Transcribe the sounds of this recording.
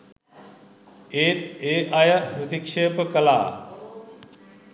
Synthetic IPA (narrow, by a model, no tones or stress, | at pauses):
eːt̪eːʔajəpɾut̪ikʂeːpəkəla̰ː